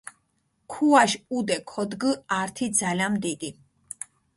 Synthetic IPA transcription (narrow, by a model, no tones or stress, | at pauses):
kʰuaʃud̪ɛkʰɔd̪ɡəaɾt̪ʰid̪zalanmd̪id̪i